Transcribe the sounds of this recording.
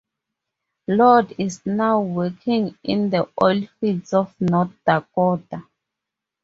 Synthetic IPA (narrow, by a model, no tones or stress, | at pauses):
lɔdiznawwɛkʰĩŋḭ̃nd̪əʔɔlfidsɔfnɔtdakɔta